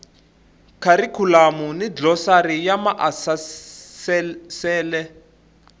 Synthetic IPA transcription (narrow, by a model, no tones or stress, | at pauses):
kʰaɾikʰulamunid͡ɮɔsarijamaʔasassɛːlɛ